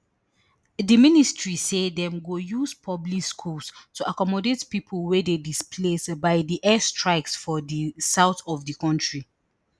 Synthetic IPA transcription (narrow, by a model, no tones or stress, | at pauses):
ðəministɹisedɛ̃mɡojuzpʰɔblikskʰulstʰuʔakɔmɔdetpipʰəlˠwɛdedispʰlesbaɪdiʔɛstʰɹaɪksfɔðisaʊθɔvðəkɔ̃ntɹi